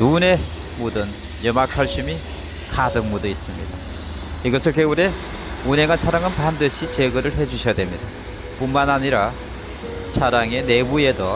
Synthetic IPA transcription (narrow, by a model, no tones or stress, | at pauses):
nune | modɯn | jʌmakʰaɭɕ͈imi | kadɯŋmudʌis͈ɯmɲḭd̥a | iɡʌsʰɯɭkeɡuɾe̞ | unɦe̞ŋant͡ɕʰaɾaŋɯnpandɯɕʰit͡ɕeɡɯɾɯɭɦe̞d͡ʑuɕʰijadwe̞mɲida | puŋmanaɲiɾa | t͡ɕʰaɾaŋe̞ne̞bue̞dʌ